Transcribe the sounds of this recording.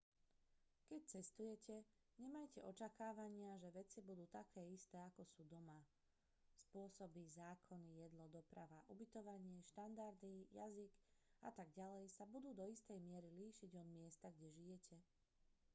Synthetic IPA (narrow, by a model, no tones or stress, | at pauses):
kɛc̚t͡sɛst̪ujɛcʰɛ | ɲɛmajcɛʔɔt͡ʃakaːʋaɲɪaʒɛʋɛt͡sibud̪uːt̪akʰɛːist̪ɛːakɔsuːd̪ɔma | spʊɔsɔbizaːkʰɔnijɛd̪lɔd̪ɔpɾaʋaʔubit̪ɔʋaɲɪɛʃt̪and̪aɾd̪ija̰ziɡa̰t̪aɡɟalɛjsabud̪uːd̪ɔist̪ɛjmɪɛɾiliːʃiɟɔd̪mɪɛst̪aɡɟɛʒijɛcʰɛ